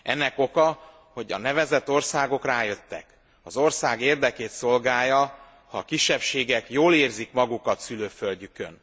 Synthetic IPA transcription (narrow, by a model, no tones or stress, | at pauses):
ɛnːɛko̞kɒ | ho̞ɟɒ̰nɛvɛzɛt̪ːo̞rsaːɡo̞kraːjø̞t̪ːɛ̰k | ɒzo̞rsaːɡeːrd̪ɛkeːt̪so̞lɡaːjɒ | hɒːkiʃːɛpʃeːɡɛkjoːleːrzikmɒɡukɒt̪syløːfølɟykø̰n